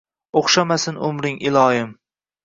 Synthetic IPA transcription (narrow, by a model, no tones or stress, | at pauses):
oχʃamasɪnʊ̰mɾɪŋɪlˠɒjɪm